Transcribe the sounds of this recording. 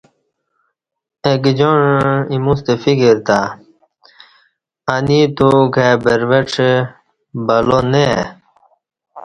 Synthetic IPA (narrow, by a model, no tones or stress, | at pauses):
ekd͡ʑoɳimust̪efikiɾt̪a | anit̪uɡʱabeɾʋeʈ͡ʂʰ | bɐlone